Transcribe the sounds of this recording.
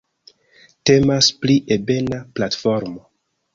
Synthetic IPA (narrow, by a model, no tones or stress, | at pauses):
te̞maspliʔebe̞naplatfoɾmo